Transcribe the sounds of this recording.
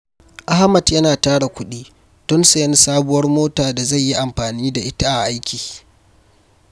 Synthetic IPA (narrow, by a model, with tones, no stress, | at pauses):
ʔa˦ha˦mɐ˨djɐ˦naː˨taː˦ɽa˨kʷʊ˦ɗiː˦ | d̥ɔ˦nse˨jɪ˦n˦saː˦bʊ˦wɐ˦rmoː˦taː˨da˨za˦˨jːi˦ʔa˨mɸaː˨niː˦da˨ʔɪ˦ta˦ʔa˨ʔa˦jkʲiː˨